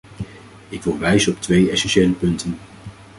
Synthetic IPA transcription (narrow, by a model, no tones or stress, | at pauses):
ɪkʋɪlˠʋɛjzənɔptʋejɛsɛnʃejləpɵntən